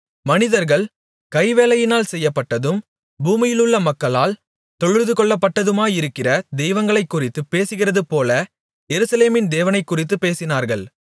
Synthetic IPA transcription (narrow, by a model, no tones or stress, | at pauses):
mɐnɪðɐɾɣɐɭ | kɐɪʋeːlɐjɪnaːlsɛjːɐpːɐʈːɐðɯm | buːmɪjɪlɯɭːɐmɐkːɐɭaːl | t̪ɔɻɯɾðɯkɔɭːɐpːɐʈːɐðɯmaːɪɾɯkːɪrɐd̪ɛjʋɐŋɡɐɭɐɪkːʊrɪt̪ːɯpeːsɯɣɪrɐðɯpoːlɐ | jɛɾɯsɐleːmɪnd̪eːʋɐnɐɪkːʊrɪt̪ːɯpːeːsɪnaːɾɣɐɭ